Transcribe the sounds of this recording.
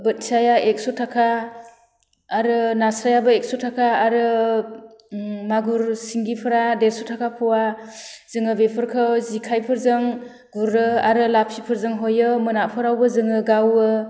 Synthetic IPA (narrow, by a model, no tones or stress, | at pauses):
bɯt̚sajaʔek̚sɔtʰakʰa | ɾɯnasɾajabɯek̚sɔtʰakʰaːɾɯ | maɡuɾsiŋɡipʰɯɾadeɾsɔtʰakʰapʰɔwaz̥ɯŋɯbepʰɯɾkʰɯzikʰajpʰɯɾzɯŋ | ɡuɾːɯaɾɯlapʰipʰɯɾzɯŋɦojɯmɯnapʰɯɾawbɯzɯŋɯɡawɯ